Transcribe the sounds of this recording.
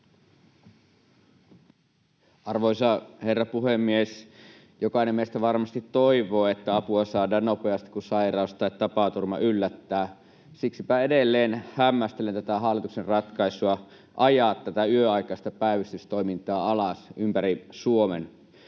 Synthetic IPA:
ʔɑrʋoisɑherːɑpuɦemːies | jokɑinemːiest̪æʋɑrmɑst̪it̪ːoiʋoːet̪ːæɑpuɑsɑːdɑːnnːopeɑst̪i̥kusɑirɑˑust̪ɑjt̪ːɑpɑt̪urmɑ̰ʔylːæt̪ːæː | siksipæedelːeːnhæmːæst̪elent̪æt̪æɦɑlːˑit̪uksenrɑt̪kɑisuɑ | ʔɑjɑt̪ːæt̪æyøɑikɑist̪ɑpæiʋist̪yst̪ojmint̪ɑːɑlɑsympæɾisuomen

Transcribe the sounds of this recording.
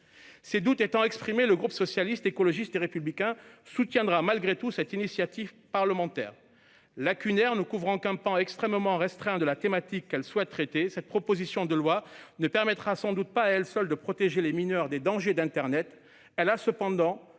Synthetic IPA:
sed̪ut̪et̪ɑ̃ɛkspχimeləɡʁupsɔsjalist̪ekɔlɔʒist̪eʁepyblikʲɛ̃sut̪jɛ̃d̪ʁamalɡʁet̪usɛt̪inisjat̪iv | paʁləmɑ̃t̪ɛ̰ːʁ | lakʲynɛʁnəkuvʁɑ̃kɛ̃pɑ̃ɛkst̪χɛmmɑ̃ʁɛst̪χɛ̃d̪əlat̪emat̪ikːɛlswɛt̪ːχet̪esɛt̪̚pχɔpozisjɔ̃d̪əlwanəpɛʁmɛt̪χasɑ̃d̪ut̪̚paɛlsœld̪əpχɔt̪eʒeleminœʁd̪ed̪ɑ̃ʒed̪ɛ̃t̪ɛʁnɛt̪ | ɛlasəpɑ̃d̪ɑ̃

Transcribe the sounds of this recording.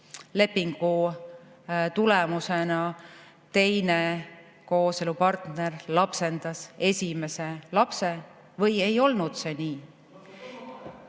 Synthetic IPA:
le̞pːiŋɡ̥u | t̪ulemusenɑ | t̪e̞jne | ko̞ːse̞lupɑrt̪ne̞rlɑpse̞nd̪̥ɑse̞sʲime̞se̞lɑpse̞ | vɤje̞jo̞lnud̪̥se̞niː

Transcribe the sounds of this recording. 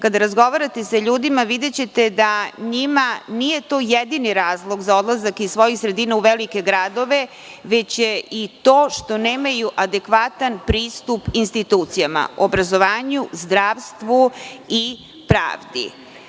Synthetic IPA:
kad̪aɾazɡo̞ʋaɾat̪e̞saʎuːd̪imaʋid̪et͡ɕe̞t̪e̞d̪aɲimanije̞t̪o̞ːjed̪iniɾaːzlˠo̞ɡzao̞d̪lazakisʋo̞jixsɾe̞d̪iːnauʋelike̞ɡɾad̪o̞ʋe̞ | ʋe̞t͡ɕjeʔit̪o̞ːʃt̪o̞neːmajuʔad̪e̞kʋat̪anpɾiːst̪upinst̪it̪uːt̪sijama̰obɾazo̞ʋaːɲuzd̪ɾaːʋst̪ʋui | pɾa̰ːʋd̪ḭ

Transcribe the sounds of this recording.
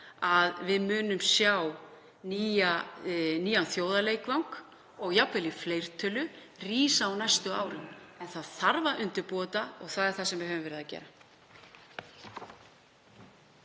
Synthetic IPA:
aðvɪðmʏːnʏmsjaw | niːaniːanθjoːwðaleːjkvawŋk | ɔɣjapvɪlɪfleːjr̥t̪ʰœːlʏ | riːsaːwnajst̪ʏa̰ːwɾɪmɛnθaðθaɾvaʔʏnt̪ɪɾpɔːt̪aɔɣθaðɛɾ̥θasɛmvɪɦœvʏmvɛːɾɪðacɛ̰ːɾa

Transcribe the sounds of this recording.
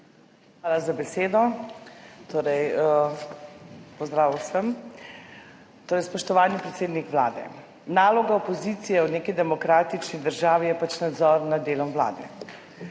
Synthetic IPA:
xxʋaːlazabɛseːd̪ɔ | t̪oːɾɛj | pɔzd̪ɾaːʋwsəm | t̪oːɾɛjspɔʃt̪ɔʋaːlnipɾɛt̪seːd̪nikʋla̰ːd̪ɛ̰ | naːlɔɡaɔpɔzit̪sijɛwneːkid̪ɛmɔkɾaːt̪it͡ʃnid̪əɾʒaːʋijɛpat͡ʃnad̪zɔɾnad̪d̪eːlɔmʋla̰ːd̪ɛ̰

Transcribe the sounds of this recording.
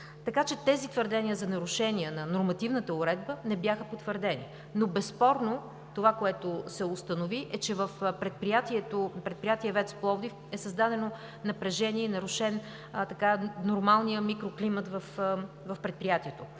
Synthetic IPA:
t̪ɐkat͡ʃɛt̪ɛzit̪vəɾd̪ɛnʲiəzɐnɐɾʊʃɛniənɐnoɾmɐt̪ivnət̪əʊɾɛd̪̚bənɛbjaxəpot̪vəɾd̪ɛnḭ | nobɛspɔɾno | t̪ovakoɛt̪ʊsɛʊst̪ənoviʔɛt͡ʃɛvəfpɾɛt̪̚pɾijat̪iɛt̪opɾɛt̪̚pɾijat̪iɛvɛt̪splˠɔvd̪if | ɛsɐzd̪ad̪ɛno | nɐpɾɛʒɛniɛinɐɾʊʃɛn | t̪ɐkanoɾmalˠnijəmikɾoklimət̪vəf | vɐfpɾɛt̪̚pɾijat̪iɛt̪ʊ

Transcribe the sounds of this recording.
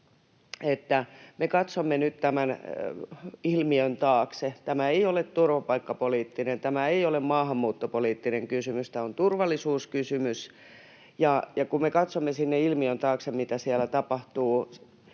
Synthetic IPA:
et̪ːæmekɑt̪somːenyt̪t̪æmæn | ilmiønt̪ɑːkset̪æmæeiolet̪t̪urʋɑpɑikːɑpoliːt̪ːinent̪æmæeiolemmɑːhɑmːuːt̪ːopoliːt̪ːineŋkysymyst̪æont̪urʋɑlˑːisuːskysymys | jɑjɑkummekɑt̪somːesinːeilmiønt̪ɑːksemmit̪æsiælæt̪ɑpɑht̪uː

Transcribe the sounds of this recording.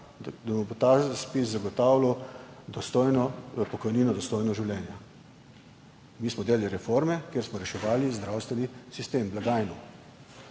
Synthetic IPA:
d̪abɔbot̪aspiszaɡɔt̪aːwlawd̪ɔst̪ojnɔpɔkɔjniːnɔd̪ɔst̪ojnɔʒiwlʲjɛːnja | miːsmɔd̪eːlaliɾɛfoɾmɛkjeːɾsmɔɾɛʃɛʋaːlizd̪ɾawst̪ʋɛnisist̪eːmblaɡaːjnu

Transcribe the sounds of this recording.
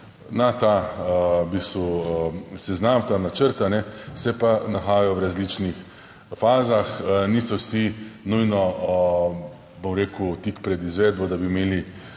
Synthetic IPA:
nat̪a | biːst̪ʋu | sɛznamt̪anat͡ʃəɾt̪anɛsɛpanaxaːjɔwɾazliːt͡ʃnix | faːzaxniːsɔwsinujnɔ | bomɾeːkut̪ikpɾɛd̪izʋeːd̪̚bɔd̪abimeːli

